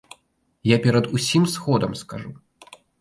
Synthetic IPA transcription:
japʲɛɾɐd̪usʲimsxɔd̪ɐmskaʐu

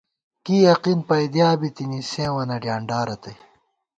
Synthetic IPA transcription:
kiːjɐqinpɐjd̪jaːbit̪inisẽːwɐnɐɖjaːɳɖaːɾɐt̪ɐj

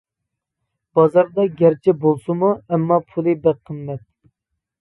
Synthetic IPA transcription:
b̥ɑzɑɾd̪ɑɡʲæɾt͡ʃʰɛbolˠsɨmuɛmːɑpʰulˠɨbɛqʰəmːɛt̪̚

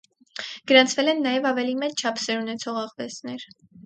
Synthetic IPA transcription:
ɡ̥əɾɑnt͡sʰvɛlɛnːɑjɛvɑvɛlimɛt͡st͡ʃʰɑpʰsɛɾunɛt͡sʰɔʁɑʁvɛsnɛɾ

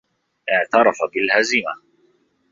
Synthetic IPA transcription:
ʔɪʕt̪ɑɾˤɑfabɪlhazɪma

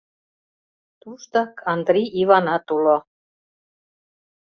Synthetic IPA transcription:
t̪uʃt̪ɑkʰɑnd̪rʲiiβɑnɑt̪ulo

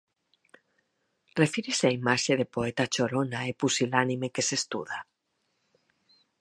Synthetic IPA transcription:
refiɾeseaimaʃeðepoet̪at͡ʃoɾonaepusilanimekesest̪ṵða

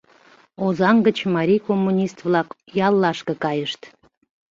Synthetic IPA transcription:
ozɑŋɡət͡ɕmɑɾʲijkomːunʲist̪βlɑkjɑlːɑʃkəkɑjəʃt̪

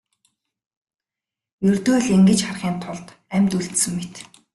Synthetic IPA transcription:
jɵrt̪oːɮeŋɡɘ̆t͡ɕχarχiːnt̪ʰʊɮt̪ | æmʲt̪uɮɬt̪sɘ̆ŋmet̪

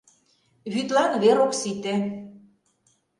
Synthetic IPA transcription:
βyt̪lɑnβeɾoksit̪e

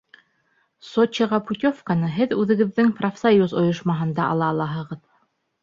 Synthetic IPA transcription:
sot͡ɕiʁɑput̪ʲofkanɤɦɘðʉðɘ̆ɡɘ̆ðːɘŋprofsajuzŏjŏʃmɑɦɤ̆nd̪ɑʔɑ̰lˠɑːlˠɑɦɤ̆ʁɤð

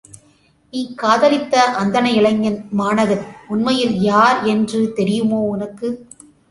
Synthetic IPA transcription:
ikːaːðɐlɪt̪ːɐʔɐnd̪ɐnɐɪɭɐŋːɐnmaːnɐɣɐnʊnmɐjɪljaːɾɛndrɯt̪ɛɾɪjɯmoːʊnɐkːɯ

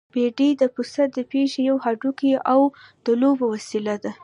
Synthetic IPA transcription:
b̥eɖid̪əpusat̪̚d̪əpeʃejawhaɖukiʔawd̪̥əlobowasilad̪a

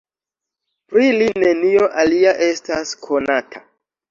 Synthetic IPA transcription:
pɾiline̞nio̞ʔaliaʔe̞staskʰo̞natʰa

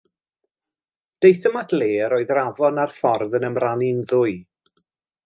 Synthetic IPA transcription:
d̥ejθəmadleːɾoːɨðravɔnarfɔrðənəmranɪnðʊɨ

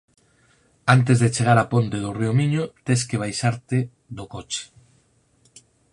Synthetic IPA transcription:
ant̪̬ezðet͡ʃeɣ̞aɾapont̪eðoriomiɲot̪eskeβ̞ajsaɾt̪e | ðokot͡ʃe̥

